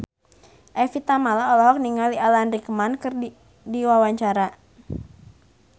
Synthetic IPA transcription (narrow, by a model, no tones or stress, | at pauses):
ʔafit̪amalaolɔɦɔk̚niŋalialanrikəmankər | diwawaɲt͡ʃaɾa